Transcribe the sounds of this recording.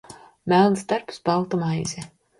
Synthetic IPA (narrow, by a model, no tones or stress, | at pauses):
mælˠnsd̪aɾpsbalˠt̪ɔmajzʲɛ